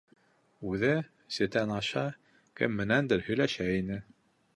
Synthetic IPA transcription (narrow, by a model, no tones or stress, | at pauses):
ʉðɘ | sɘ̆t̪ænɑʃɑ | kɘ̰mːɘ̆nænd̪ɘɾhɵ̆jlæʃæinɘ